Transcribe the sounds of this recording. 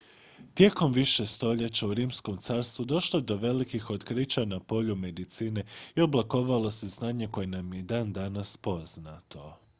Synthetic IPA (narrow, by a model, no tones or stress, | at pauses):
t̪je̞ko̞mʋiʃe̞st̪o̞ʎe̞t͡ɕauɾiːmsko̞mt̪saːɾst̪ʋud̪o̞ʃlod̪o̞ʋe̞likixo̞d̪kɾit͡ɕanapo̞ʎume̞d̪it̪siːne̞ioblˠako̞ʋalˠo̞se̞znaːɲe̞ko̞jenamje̞d̪aːnd̪anaspo̞znat̪ʰo̞